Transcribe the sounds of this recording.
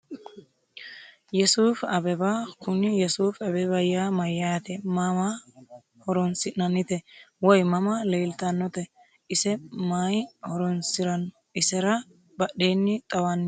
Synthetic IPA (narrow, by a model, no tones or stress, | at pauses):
jɛsuːfɐbɛbakʊnɪjɛsuːfɐbɛbɐjːamɐjːɐjɐt̪ɛmɐma | hɔɾɔnsɪnːɐnːɪt̪ɛwɔjmɐmɐleːlt̪ɐnːɔt̪ɛ | ʔɪsɛmaːjhɔɾɔnsɪɾɐnɔ | ɪsɛɾɐ | bɐɗeːnːɪt̪ʼɐwɐnː